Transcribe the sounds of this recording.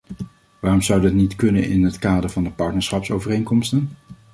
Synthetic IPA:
ʋaːrɔmzʌwdɑtnitkɵnə̰nɪ̰nɦətkaːdəɹvɑndəpɑɹtnəɹsχɑpsowvərejŋkɔmstən

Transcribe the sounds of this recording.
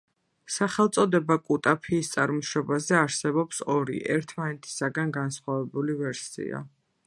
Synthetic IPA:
saχɛlˠt̪sʼɔd̪ɛbakʼut̪ʼapʰiːst̪sʼaɾmɔʃɔbazɛaɾsɛbɔpsɔɾḭʔɛɾt̪ʰmanɛt̪ʰi̥saɡanɡansχwavɛbulivɛɾsḭa̰

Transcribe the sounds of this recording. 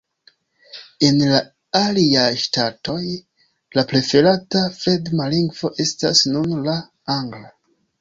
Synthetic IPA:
e̞nla | aliajʃtato̞j | laplefe̞latafe̞dmaliŋɡvo̞ʔe̞sta̰snunla | aŋɡla

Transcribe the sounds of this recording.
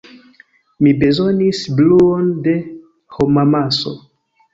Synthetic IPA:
mibe̞zo̞nisbluonde̞ | homamaso̞̰

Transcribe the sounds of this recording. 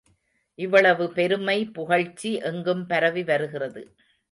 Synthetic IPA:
ʔɪʋːɐɭɐʋɯpɛɾɯmɐɪpʊɣɐɻt͡ʃːiʔɛŋɡɯmpɐɾɐʋiʋɐɾɯɣɪrɐðɯ

